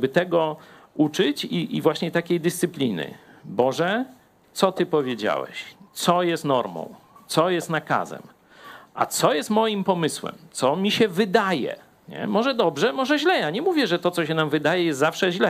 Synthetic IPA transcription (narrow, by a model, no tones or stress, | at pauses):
bɘt̪ɛɡɔ | ut͡ʂɘt͡ɕiʔivwaɕɲɛt̪akʲejd̪ɘst̪sɘplʲinɘ̰bɔʐɛ | t̪sɔt̪ɘpɔvʲjed͡ʑa̰wɛ̰ɕt̪sɔjɛst̪nɔɾmɔ̰̃w̃t̪sɔjɛst̪naka̰zɛ̰m | a̰t̪sɔjɛst̪mɔjimpɔmɘswɛ̰mt̪sɔmʲiɕɛvɘd̪ajɛ̰ | ɲɛ̰mɔʐɛd̪ɔbʐɛmɔʐɛʑlɛjaɲɛmuvʲjɛʐɛt̪ɔt̪sɔɕɛnamvɘd̪ajɛjɛst̪zafʂɛʑlɛ